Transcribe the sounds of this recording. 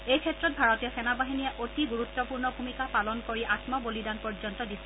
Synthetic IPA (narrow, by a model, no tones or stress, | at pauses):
ejkʰɛtɹɔt̚bʱaɹɔtɛsɛnabaɦinijaʔotiɡuɹutːɔpuɹnɔumikapalɔnkoɹiʔatmɔbolidanpɔɹd͡ʒɔntɔdisɛ̥